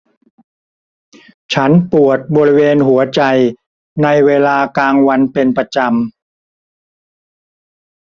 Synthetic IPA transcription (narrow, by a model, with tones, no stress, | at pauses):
t͡ɕʰa˦˥npu˨˩ət̪̚bɔː˧ɾi˦˥weː˧nɦu˩˦ɐt͡ɕa˧j | na˧jweː˧laː˧kaː˧ŋwa˧npe˧npɾa˧t͡ɕa˧m